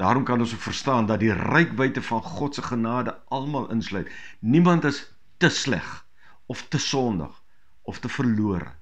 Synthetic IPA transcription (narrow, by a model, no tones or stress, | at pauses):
d̥ɑːɾɔmkɐnɔnsukfərstɑːndɐt̚dirəjkvəjtəfɐnχɔtsəχənɑːdəʔɐlˠmɑːlˠʔənslœɥtnimɐntəs | təslæ̰χ | ɔftəsɔndə̰χ | ɔftəfərluəɾə̰